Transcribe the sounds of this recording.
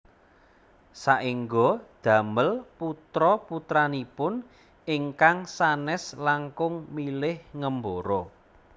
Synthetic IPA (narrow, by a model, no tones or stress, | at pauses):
saʔiŋɡod̪̥a̤məlput̪ɾɔput̪ɾanipʊn | iŋkaŋsanɛslaŋkʊŋmilɪhŋəmboɾɔ